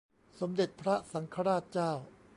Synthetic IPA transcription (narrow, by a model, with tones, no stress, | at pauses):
so˩˦md̪e˨˩t̪̚pʰɾa˦˥sa˩˦ŋkʰa˧ɾaː˥˩t̪̚t͡ɕaː˥˩w